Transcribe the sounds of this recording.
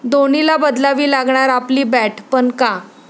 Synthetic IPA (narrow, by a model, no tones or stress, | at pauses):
d̪onilabəd̪laʋiːlaɡɳaɾapliːbɛʈʰpəɳka